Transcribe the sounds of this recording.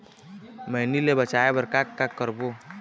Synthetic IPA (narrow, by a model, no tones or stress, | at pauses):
məɦnilebət͡ʃaebəɾkakːakːəɾbo